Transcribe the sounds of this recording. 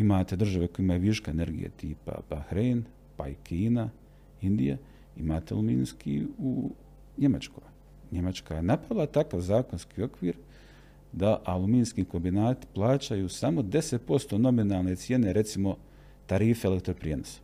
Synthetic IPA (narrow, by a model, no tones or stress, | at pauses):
imaːt̪e̞d̪r̩ʒaʋekoeimajuʋiʃkaene̞ɾɡḭja̰t̪ḭːpa̰b̥axɾejn | paikʰiːna | ind̪ija̰ | imaːt̪ea̰lumḭːnskʰḭu | ɲe̞mat͡ʃko̰ | ɲe̞mat͡ʃkajenapɾaʋilˠat̪akaʋzaːko̞nskiːo̞kʋiːɾ | d̪aʔalˠumiːnskiko̞mbinaːt̪i̥plˠaːt͡ɕajuːsamo̞d̪e̞set̪̚po̞st̪o̞no̞minaːlˠne̞t̪sje̞ne̞ɾe̞t̪simo̞ | t̪aɾiːfeelekt̪ɾopɾijeːnosḁ